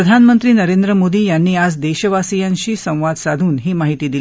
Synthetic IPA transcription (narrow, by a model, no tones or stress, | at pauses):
əd̪ʱanmənt̪ɾiːnəɾend̪ɾəmod̪iːjanːiːad͡zd̪eɕəʋasijãɲt͡ɕiːsə̃w̃ʋad̪sad̪ʱuːnɦiːmaɦit̪iːd̪il